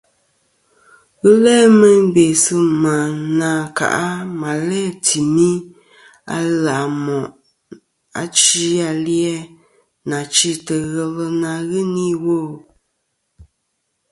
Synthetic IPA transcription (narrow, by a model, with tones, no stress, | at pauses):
ɣɨ˦lɛː˦mə˦m˦be˨sɨ˦ma˨na˨ka̰˨ʔa˦ma˨lɛ˦tʰi˨mi˦ | a̰˦la˨mɔ˨ʔ | a̰˨t͡ʃi˦a˨ljɛ˦ | na˨t͡ʃi˦tə˨ɣɛ˨lə˦na˨ɣɨ˦ni˦wo˦˨